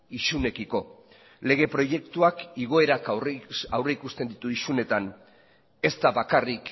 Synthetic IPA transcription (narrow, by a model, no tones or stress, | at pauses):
isune̞kiko̞ | le̞ɣ̞e̞pɾo̞je̞kt̪uakiɣ̞o̞e̞ɾakawreikust̪e̞nd̪it̪uisune̞t̪an | e̞st̪aβakarik